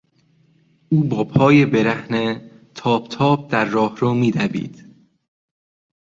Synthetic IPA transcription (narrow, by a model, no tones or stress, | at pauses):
uːbɒːpʰɒːjebeɾæhnet̪ʰɒːb̥t̪ʰɒːb̚d̪æɾːɒːhɾoːmiːd̪æbḭːd̪̥